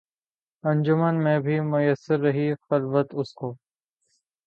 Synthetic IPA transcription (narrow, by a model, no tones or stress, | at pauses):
ə̃nd͡ʒʊmənmẽːbʱiːmʊjəsːɪɾːəɦiːxəlʋət̪ʊskoː